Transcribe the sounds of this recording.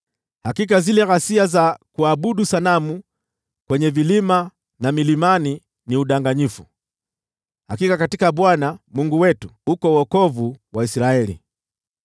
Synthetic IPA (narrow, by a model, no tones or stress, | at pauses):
hakikazilɛɣasiazakuaɓuɗusanamu | kwɛɲɛvilima | namilimani | niuɗaŋɡaɲifu | hakikakatikaɓwanamuŋɡuwɛtuukɔwɔkɔvuwaisɾaɛlḭ